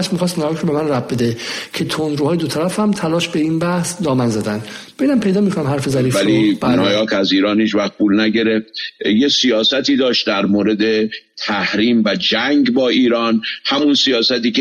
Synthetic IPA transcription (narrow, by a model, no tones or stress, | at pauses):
ʃmixɒːs̬t̪nɒːjɑkʰɾobe̞mænræbbe̞d̪ecʰe̞t̪ʰond̪ɾuːɒːjed̪ot̪ʰæɾæfæmt̪ʰælɒːʃbe̞inbæhsd̪ɒːmænzæd̪ænd̪beinæmpʰe̞jd̪ɒːmikʰonæmhæɾfezæɾiːfvælibnɒːjɒːkæziːɾɒːnhiːd͡ʒmæɣ̚buːlnæɟe̞ɾeft̪jesijɒːsæt̪iːd̪ɒːʃt̪̚d̪æɾmoːɾed̪e̞t̪ʰæhɾiːmvæd͡ʒæŋɡbɒːiːɾɒːnhæmunsijɒːsæt̪iːcʰe